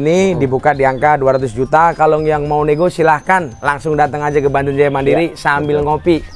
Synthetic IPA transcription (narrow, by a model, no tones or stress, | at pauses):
nidibukadiaŋkaduaɾat̪ʊsd͡ʒut̪akalɔŋjaŋmauneɡosilahkanlaŋsʊŋdat̪əŋad͡ʒakəbant̪ʊnd͡ʒajamandiɾisambɪlŋopi